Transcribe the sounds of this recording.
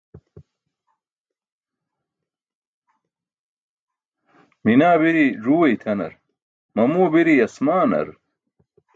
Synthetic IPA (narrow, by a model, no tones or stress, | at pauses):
minaːbiɾiʐuːwejt̪ʰɐnɐ̰ɾ | mɐmuːbiɾiɐsmaːnɐ̰ɾ